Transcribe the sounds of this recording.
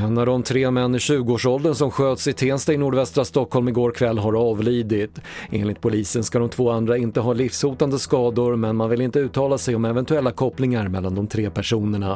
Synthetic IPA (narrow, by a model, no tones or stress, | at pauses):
anːad̪ɔmt̪ʰɾeːmɛnːɪɕʉ̟ːɡəoːʂɔld̪ənsɔmɧøːt̪sɪt̪ʰeːnst̪aɪnuːɖvɛst̪ɾast̪ɔkhɔlmɪɡoːɾkʰvɛlːɦaɾɑːvliːd̪ɪt̪ʔḛːnlɪt̪̚pʰʊliːsənskad̪ɔmt̪ʰv̥oːand̪ɾaɪnt̪əɦɑːlɪfshuːt̪and̪əskɑːd̪ʊɾmɛnmanvɪlɪnt̪əʉ̟ːt̪ʰɑːlasɛjɔmɛvɛnt̪ɵɛlːakʰɔpːlɪŋaɾmɛlːand̪ɔmt̪ʰɾeːpʰæʂuːnəɳa